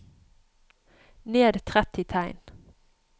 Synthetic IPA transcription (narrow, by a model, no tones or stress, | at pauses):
neːd̪t̪ʰʁɛt̪ɪt̪ʰæɪn